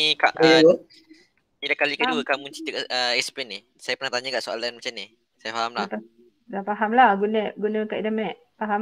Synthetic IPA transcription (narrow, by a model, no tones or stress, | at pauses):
ika̰ʔ | idakalikəduəkamunt͡ʃi̥t̪əkəɛspɛni | sajapəɾnaht̪aɲəkaʔsoa̰lanmat͡ʃamni | sajafaɦamlat | dafaɦamlahɡunəʔɡunəkaʔidəmɛʔ | faɦa